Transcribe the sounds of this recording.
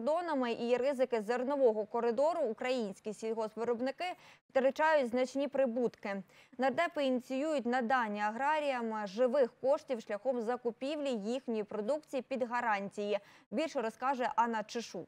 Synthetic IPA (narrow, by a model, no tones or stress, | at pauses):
d̪ɔnɐmɪʔiɾɪzɪkɪzernɔʋɔɦɔkɔɾɪd̪ɔɾʊːkɾɐjinʲsʲkʲisʲid̪ɦɔspɔɾɔbnɪkɪft̪eɾɪt͡ʃɑjʊtʲznɐt͡ʃnʲipɾɪbut̪kɪ | nɐd̪ɛpɔinʲit͡sʲijujʊt̚ʲnɐd̪ɑnʲːiɐɦɾɑɾʲijɐmʒɪʋɪxkɔʃtʲiwʃlʲɐxɔmzɐkʊpʲiwlʲijixnʲijipɾɔd̪ukt͡sʲijipʲid̪ɦɐɾɑnʲtʲijibʲilʲʃɛɾɔskɑʒʊjɛʔɑnɐt͡ʃɪʃu